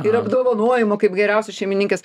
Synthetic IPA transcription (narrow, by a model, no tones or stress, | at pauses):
ɪɾɐbd̪oːʋɐnoɔjɪmoːkɐɪpɡʲɛɾʲɛʊsʲɛsʃʲɛɪmʲɪnʲɪŋʲkʲeːs